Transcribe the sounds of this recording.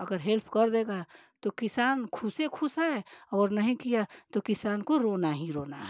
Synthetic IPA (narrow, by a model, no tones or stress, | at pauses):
ɐɡəɾɦelpʰkɐɾd̪eːɡa | t̪okɪsaːnkʰʊsekʰʊsaɛɔːɾnɐɦĩkijat̪okɪsaːnkoɾoːnaɦĩɾoːnaɦ